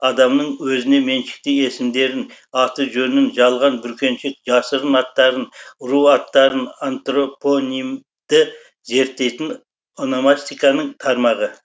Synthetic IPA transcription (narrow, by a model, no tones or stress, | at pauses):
ɑd̪ɑmnəɴwɵzɪne̞me̞nʃɪ̥k̚t̪ɪje̞sɪmd̪e̞ɾɪnɑt̪əʒɵnɪnʒɑlˠʁɑnbʏɾkʲʰe̞nʃek̚ʒɑsəɾənɑt̪ːɑɾənʊɾuɑt̪ːɑɾənant̪ro̞po̞nim | d̪̥ɪ | ze̞ɾt̪ːe̞jt̪ɪn | onomast̪ijkɑnəɴt̪ʰɑɾmɑʁə